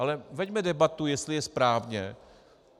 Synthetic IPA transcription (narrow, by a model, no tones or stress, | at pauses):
alɛvɛɟmɛdɛbat̪ujɛst̪lɪjɛspɾaːvɲɛ